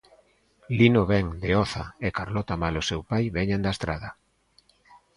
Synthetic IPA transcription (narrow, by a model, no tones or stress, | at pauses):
linoβɛŋd̪eɔθaekaɾlɔt̪amalosewpajβɛɲand̪aest̪ɾaðɐ